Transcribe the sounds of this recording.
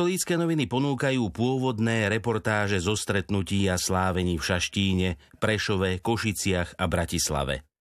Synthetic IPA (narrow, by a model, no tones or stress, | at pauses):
ɔliːt͡skɛːnɔʋinipɔnuːkajuːpʊɔʋɔd̪nɛːɾɛpɔɾt̪aːʒɛzɔst̪ɾɛt̪nuciːaslaːʋɛɲiːfʃaʃciːɲɛpɾɛʃɔʋɛkɔʃit͡sɪaɣabɾacisla̰ʋɛ̰